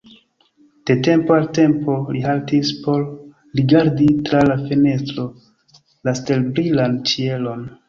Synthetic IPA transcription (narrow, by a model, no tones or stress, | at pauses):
d̥e̞te̞mpoalte̞mpo̞lihaltispo̞ɾ | ɾiɡaɾditɾalafe̞ne̞stɾo̞ | laste̞lbɾilant͡ʃie̞lo̞n